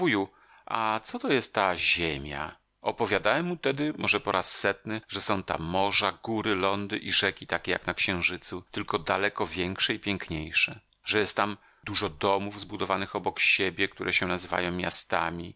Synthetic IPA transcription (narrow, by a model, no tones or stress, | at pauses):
vuju | a̰t̪sɔt̪ɔjɛst̪ːaʑemʲja̰ | ɔpɔvʲjad̪awɛmːut̪ɛd̪ɘmʔɔʐɛpɔɾʔasːɛt̪nɘʐɛsɔ̃w̃t̪a̰ːɔʐaɡuɾɘlɔnd̪ɘʔiʐɛkʲit̪akʲɛja̰knakɕɛ̃w̃ʐɘt̪sut̪ɘlkɔd̪alɛkɔvʲjɛŋkʂɛipʲjɛŋkɲejʂɛ | ʐɛjɛst̪tːam | d̪uʐɔd̪ɔmuvzbud̪ɔvanɘxɔbɔkɕebʲjɛk̚t̪uɾʔɛɕɛnazɘva̰jɔ̃w̃mʲja̰st̪a̰mʲi